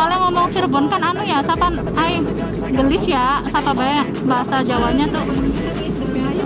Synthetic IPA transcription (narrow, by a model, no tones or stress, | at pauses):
alɛŋɔmɔŋsirbɔnkananujasapan | aj | ɡəlɪsjasapabaɛ | baɦasad͡ʒawap̚ɲat̪ʊh